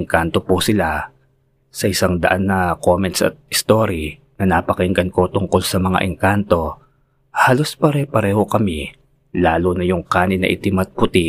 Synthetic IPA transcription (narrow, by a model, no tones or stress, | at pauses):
ŋkant̪o̞pusɪla | sɐʔɪsaŋd̪ɐʔanːɐkomɛnt̪sɐ̰t̪̚ɪst̪o̞ːɾi | nɐnɐpɐkɛŋɡɐnko̞t̪ʊŋko̞lsɐmɐŋa̰ʔɪŋkant̪o̞ | haːlo̞spɐɾɛpɐɾɛːho̞kɐmi | laːlonɐjʊŋkaːnɪnɐ̰ʔɪt̪ɪmɐt̪̚pʊt̪i